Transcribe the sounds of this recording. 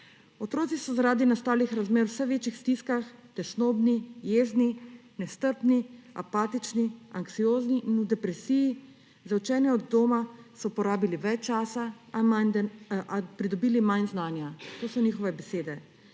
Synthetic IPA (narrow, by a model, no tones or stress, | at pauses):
ɔt̪ɾoːt̪sisɔzaɾaːd̪inast̪aːlixɾazmeːɾwsɛʋeːt͡ʃixst̪iskaxt̪ɛsnoːbnijeːzni | nɛst̪əɾpnia̰paːt̪it͡ʃniaŋksioːzniʔinud̪ɛpɾɛsiji | zawt͡ʃɛːnjɛɔd̪ːoːmasɔpɔɾaːbiliʋɛt͡ʃt͡ʃːaːsa | anapɾid̪ɔbiːlimajnznaːnjat̪oːsɔnixɔʋɛbɛseːd̪ɛ